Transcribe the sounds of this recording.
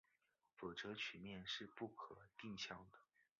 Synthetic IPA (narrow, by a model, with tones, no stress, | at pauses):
fo˨˩ʈ͡ʂɤ˧˥t͡ɕʰy˨˩mjɛ˥˧nʂɻ̩˥˧pu˥˩kʰɤ˨˩t̪i˥˧ŋɕjɑ˥˩ŋd̪ə˩